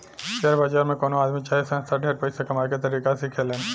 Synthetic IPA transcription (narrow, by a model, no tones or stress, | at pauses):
ʃeɾbad͡ʒaːɾmẽkoːnoaːd̪mit͡ʃaːisə̃nst̪ʰaɖʱeːɾpəɪsekɐmaɾket̪̬əɾiːkasikʰelen